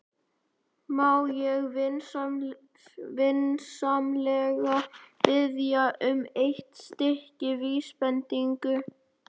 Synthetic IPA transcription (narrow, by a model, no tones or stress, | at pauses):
maːwjɛɣv | vɪnsamlɛɣapɪðjaʔʏmejht̪st̪ɪhcɪviːspɛnt̪iŋkʏ